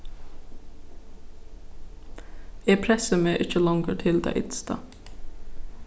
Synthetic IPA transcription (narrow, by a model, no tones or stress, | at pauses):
eːpʰɾɛsəmeːʔɪc͡çəlɑŋɡəʈʰɪld̪ɑ̰ːʔɪd̪st̪ɑ̰ː